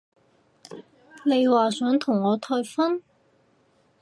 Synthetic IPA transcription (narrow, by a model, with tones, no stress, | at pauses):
ne˨˧jwaː˨sœː˨˥ŋt̪ʰʊ˨˩ŋːɔː˨˧t̪ʰɔː˧jfɐ˥n